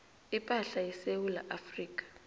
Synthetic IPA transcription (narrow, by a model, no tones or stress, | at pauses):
ipʼaɬajisewula̰ʔafriːkʼḁ